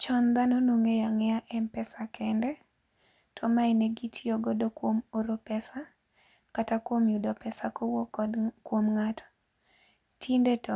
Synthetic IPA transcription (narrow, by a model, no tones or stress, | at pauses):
t͡ʃɔnd̪anonoŋejaŋɛaʔɛmpɛsakɛndɛ | tʰɔmaɛneɡitʰiɔɡɔdokwomoɾopɛsa | katakwomjudɔpɛsakowɔkːɔdkwomŋatʰɔ̥ | tʰindetɔ